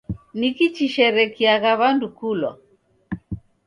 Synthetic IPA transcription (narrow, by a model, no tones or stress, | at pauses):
nikit͡ʃiʃɛɾɛkiaɣaβandukulɔ̰